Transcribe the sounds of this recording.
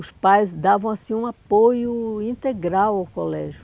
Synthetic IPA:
ʊspajzd̪avɐ̃w̃asĩũapojʊĩnt̪eɡɾawawkolɛʒʊ

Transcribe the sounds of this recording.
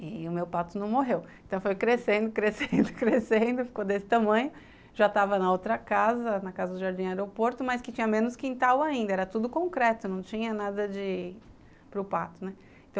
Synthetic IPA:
ɪʊmewpat̪ʊnɐ̃w̃moɦewẽt̪ɐ̃w̃fojkɾesẽnd̪ʊkɾesẽnd̪ʊkɾesẽnd̪ʊfi̥kod̪esɪ̥t̪amɐ̃ɲʊ | ʒat̪avɐnɐowt̪ɾɐkazɐnɐkazɐd̪ʊʒaɾd͡ʒĩɐaɛɾopoɾt̪ʊmɐskɪt͡ʃĩɲɐmẽnʊskĩnt̪awaĩnd̪ɐɛɾɐt̪ud̪ʊkõŋkɾɛt̪ʊnɐ̃w̃t͡ʃĩɲɐnad̪ɐd͡ʒɪ | pɾʊpat̪ʊnɛ | ẽt̪ɐ̃

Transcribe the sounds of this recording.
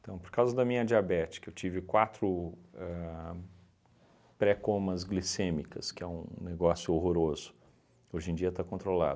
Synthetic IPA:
ĩt̪ɐ̃w̃poɾkawzɐd̪ɐmĩɲɐd͡ʒiabɛt͡ʃi̥kɐewt͡ʃivɪkwat̪ɾʊɛ | pɾɛkõmɐzɡlisẽmikɐskɪɛṵ̃neɡɔsjʊoɦoɾozʊ̥ | oʒẽd͡ʒiɐt̪akõt̪ɾola̰d̪ʊ

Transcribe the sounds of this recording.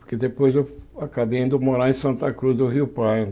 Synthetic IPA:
ʊɾked̪epojzewakabejẽd̪ʊmoɾaẽsɐ̃nt̪ɐkɾuzd̪ʊɦiʊpaj̃

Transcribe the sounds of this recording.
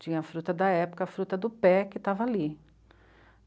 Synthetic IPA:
t͡ʃĩɲɐfɾut̪ɐd̪ɐɛpʊ̥kɐafɾut̪ɐd̪ʊpɛkɪt̪avɐali

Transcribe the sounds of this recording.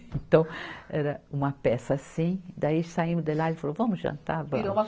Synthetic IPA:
ẽt̪ɐ̃w̃ɛɾɐũmɐpɛsɐasĩd̪aisaĩmʊd̪ellaelɪfalovɐ̃mʊzʒɐ̰̃nt̪aɾvɐ̃ɾomɐ

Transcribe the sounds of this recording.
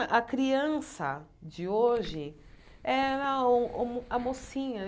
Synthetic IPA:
ʔɐkɾiɐ̃sɐ̰d͡ʒɪoʒɪ | ɛɾɐũũamosĩɲɐ

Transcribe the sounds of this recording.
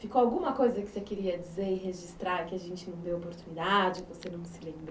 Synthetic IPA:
fikoawɡũmɐkojzɐkɪ̥sekeɾiɐd͡ʒizeɾɪɦeʒist̪ɾaɾkɪaʒẽnt͡ʃɪnɐ̃w̃d̪ewopoɾt̪unid̪ad͡ʒɪvosenɐ̃w̃sɪlẽmb

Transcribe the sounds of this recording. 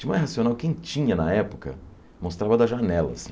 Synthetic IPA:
imãjhasionawkẽj̃t͡ʃĩɲɐnɐɛpʊkɐ̰ | most̪ɾavɐd̪ɐʒanɛlɐ̰s

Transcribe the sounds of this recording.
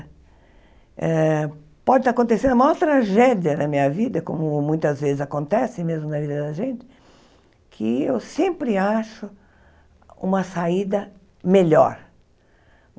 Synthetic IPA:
ɛ | pɔd͡ʒɪt̪akõnt̪esẽd̪maɔɾt̪ɾaʒɛdjɐd̪ɐmĩɲɐvid̪ɐkõ̰mʊmũj̃t̪ɐzvezɪzakõnt̪ɛsɪmezmʊnɐvid̪ɐd̪ɐʒẽnt̪ɪ̥ | kʰɪewsẽmpɾɪaʃʊ | ṵ̃mɐsaid̪ɐ | meʎɔ̰ɾ

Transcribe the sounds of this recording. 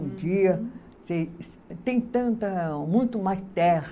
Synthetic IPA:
d͡ʒiɐ | se | t̪ẽj̃t̪ɐ̃nt̪ɐmũj̃t̪ʊmajst̪ɛɾ

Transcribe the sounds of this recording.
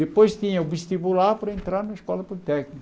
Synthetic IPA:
d̪epojst̪ĩɲɐuveʃt̪ibulaɾpɐɾɐẽnt̪ɾaɾnɐskɔlɐpolit̪ɛknik

